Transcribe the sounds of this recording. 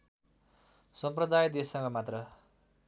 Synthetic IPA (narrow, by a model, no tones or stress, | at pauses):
sʌmprʌd̪ajd̪esːʌŋɡʌmat̪rʌ